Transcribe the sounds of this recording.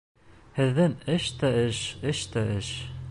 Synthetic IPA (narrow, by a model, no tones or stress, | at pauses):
hɘ̆ðːɘŋɘʃt̪æɘʃɘʃt̪æɘʃ